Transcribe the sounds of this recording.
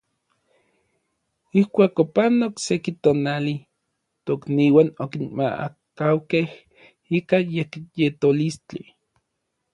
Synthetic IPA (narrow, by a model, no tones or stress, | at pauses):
ihkʷaːkopanoksekit̪oːnali | t̪okniːwanokinma̰a̰ | kawkeh | ikajekjet̪olist͡ɬi